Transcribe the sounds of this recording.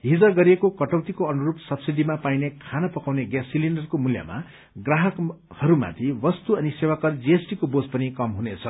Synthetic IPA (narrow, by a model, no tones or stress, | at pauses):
ɦid͡zʌɡʌɾiekokʌʈʌwt̪ikoʌnuɾupsʌbsid̪ʱimapajnekʰanʌpʌkawneɡasːiliɳɖʌrkomulja̰ma̰ | ɡraɦʌk | hʌɾuma̰t̪ʰibʌst̪uʌnisewakʌrd͡ziesʈikobod͡zpʌnikʌmɦunet͡sʰʌ